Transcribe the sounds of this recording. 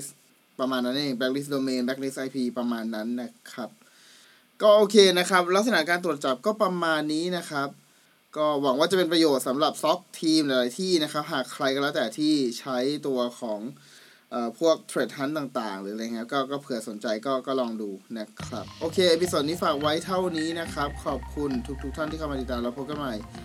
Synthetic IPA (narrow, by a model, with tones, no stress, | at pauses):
s | pɾa˧maː˧nːa˦˥nʔeː˧˩ŋbɛ˦˥k̚li˦˥s̬doː˧meː˧nbɛ˦˥k̚ni˦˥sʔa˧jpʰiː˧pɾa˧maː˧nːa˦˥nːa˦˥kʰɾa˦˥p̚ | kɔː˥˩ʔoː˧kʰeː˧na˦˥kʰɾa˦˥p̚la˦˥k̚sa˧na˩˦kaː˧nt̪ɾu˨˩ə˩t̪̚t͡ɕɔ˨˩p̚kɔː˥˩pɾa˧maː˧nːiː˦˥na˦˥kʰa˦˥p̚ | kɔː˥˩wa˩˦ŋwaː˥˩t͡ɕa˨˩pe˧npɾa˧joː˨˩t̪̚sa˩˦mɾa˨˩p̚sɔ˦˥p̚t̪ʰiː˧mlɛ˨˦laː˨˦jt̪ʰiː˥˩na˦˥kʰa˦˥p̚ɦaː˨˩kʰɾa˧jklɛː˦˥˩t̪ɛː˨˩t̪ʰiː˥˩t͡ɕʰa˦˥jt̪u˧ɐkʰɔː˩˦ŋ | ʔɤː˨˩pʰu˥˩ək̚t̪ʰɾe˨˩t̪̚ɦa˦˥nt̪aː˨˩ŋt̪aː˨˩ŋɯː˩˦˧ja˧ŋːi˦˥kɔː˥˩kɔː˥˩pʰɯ˨˩˦ɐso˩˦nt͡ɕa˧jkɔː˥˩kɔː˥˩lɔː˧ŋduː˧na˦˥kʰɾa˦˥p̚ʔoː˧kʰeː˧ʔa˧pi˦˥so˨˩t̪̚niː˥˩faː˨˩k̚wa˦˥jt̪ʰa˥˩wniː˦˥na˦˥kʰɾa˦˥p̚kʰɔː˨˩p̚kʰu˧nt̪ʰu˦˥k̪̚ʰu˦˥k̚t̪ʰa˥˩nt̪ʰiː˥˩a˧ma˧i˨˩t̪ːaː˧mɾa˧pʰo˦˥p̚ka˧˨nma˧˩j